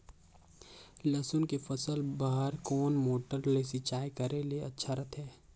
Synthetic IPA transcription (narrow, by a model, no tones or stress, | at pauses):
lɐsʊnkefɐsəlbaːɦəɾkɔːnmoːʈəɾlesit͡ʃaːjkɐɾelieɐtːʃʰaɾɐt̪ʰɦɛː